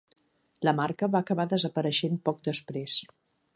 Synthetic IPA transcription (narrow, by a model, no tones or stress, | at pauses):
ləmarkəβaəkəβaðəzəpəɾəʃempɔk̚d̪əspɾes